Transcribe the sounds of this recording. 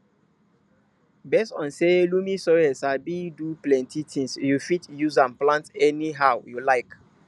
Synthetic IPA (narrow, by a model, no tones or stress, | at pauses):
bɛstɔ̰̃nselumĩsɔɛsabiduplɛ̃ntitʰĩŋsjufitjuzãnplãntɛniɦaʊjulaɪk